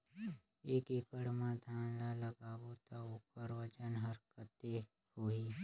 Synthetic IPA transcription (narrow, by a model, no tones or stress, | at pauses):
eːkekəɽmãd̪ʱaːnlaləɡaːwot̪aoːkəɾʋəd͡ʒənɦəɾkət̪e | hoːi